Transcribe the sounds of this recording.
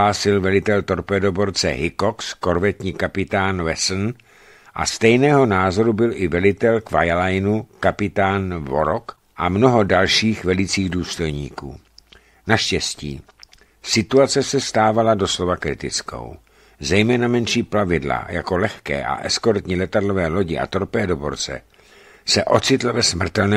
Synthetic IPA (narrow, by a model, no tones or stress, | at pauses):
aːsɪlvɛlɪt̪ɛlt̪o̞ɾpɛːdobo̞ɾt͡sɛ̰ɦɪko̞ksko̞ɾvɛt̪ɲiːkapɪt̪aːnvɛsn | ʔa̰st̪ɛjnɛːɦo̞naːzo̞ɾubɪlʔɪvɛlɪt̪ɛlkvajlajnukapɪt̪aːnvo̞̰ɾok | ʔamno̞ɦo̞dalʃiːxvɛlɪt͡siːɣduːst̪o̞jɲḭːkṵː | naʃcɛscḭː | sɪt̪uat͡sɛsɛst̪aːvalado̞slo̞vakɾɪt̪ɪt͡sko̞̰w | zɛjmɛːnamɛnʃiːplavɪdla̰jako̞lɛxkɛ̰ːʔa̰ʔɛsko̞ɾt̪ɲiːlɛt̪adlo̞vɛːlo̞ɟɪʔa̰t̪o̞ɾpɛːdo̞bo̞ɾt͡sɛ̰ | sɛʔo̞t͡sɪt̪l̩vɛsmr̩t̪ɛlnɛː